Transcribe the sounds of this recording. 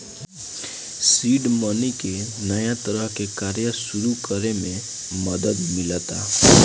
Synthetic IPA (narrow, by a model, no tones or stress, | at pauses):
siɖmənikenəjãt̪əɾəɦkekaɾjəsuɾukəɾemẽ | məd̪əd̪milət̪a